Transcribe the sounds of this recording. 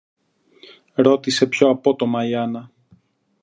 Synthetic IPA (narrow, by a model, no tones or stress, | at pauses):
ɾo̞t̪ise̞pço̞ɐpo̞t̪o̞mɐiɐnɐ